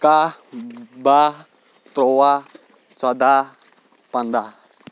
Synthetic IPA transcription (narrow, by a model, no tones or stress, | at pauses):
ka | ba | t̪ɾowa | t͡ʃad̪a | pand̪a